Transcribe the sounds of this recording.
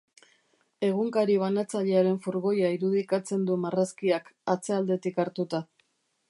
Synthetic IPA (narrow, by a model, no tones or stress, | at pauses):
e̞ɣ̞uŋkaɾiβ̞anat͡saʎe̞aɾe̞ɱfuɾɣo̞jaiɾuðikat͡se̞nd̪umaraskiakat͡se̞ald̪e̞t̪ikaɾt̪ut̪a